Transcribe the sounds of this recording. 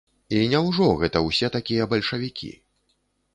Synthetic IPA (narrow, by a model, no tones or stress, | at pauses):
inʲɛwʐɔɣɛt̪ɐwsʲɛt̪akʲijɐbɐlʲʂɐvʲikʲʰḭ